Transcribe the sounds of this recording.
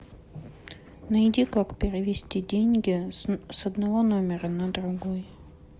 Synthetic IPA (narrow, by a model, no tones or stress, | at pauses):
nɐjdʲikakpʲɪɾʲɪvʲɪsʲtʲidʲenʲɡʲɪsɐd̪nɐvo̞no̞mʲɪɾənəd̪ɾʊɡoj